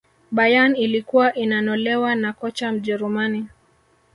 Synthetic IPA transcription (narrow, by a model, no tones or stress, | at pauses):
ɓajanilikuwaʔinanɔlɛwanakɔt͡ʃam̩ʄɛɾumani